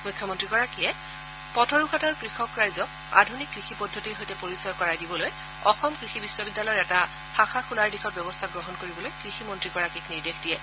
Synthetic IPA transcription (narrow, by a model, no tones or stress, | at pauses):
mujkʰːjɔmɔntɹikɔɹakijɛ | pɔtʰɔɹukʰataɹkɹixɔkɹajzɔk | a̰dʱunikːɹixipɔdʱːotiɹɦojtɛpoɹisɔjɔkɔɹajdibɔloj | ɔxɔmkɹixibiswɔbidːalɔjɔɹɛta | xaxaxulaɹdixɔt̚bjɔbɔstʰaɡɹɔɦɔnkoɹibɔlojkɹiximɔntɹikɔɹakikniɹdexdijɛ